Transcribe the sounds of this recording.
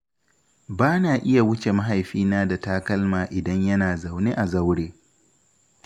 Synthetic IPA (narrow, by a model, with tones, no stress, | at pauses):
baː˦naː˨ʔɪ˦ja˨wʊ˦t͡ʃe˨mɐ˦ɦa˨jɸiː˦naː˦da˨taː˦kɐ˦lmaː˨ʔɪ˨dɐ˦ɲjɐ˦naː˨za˨wne˦ʔa˨zɐ˦wɽeː˦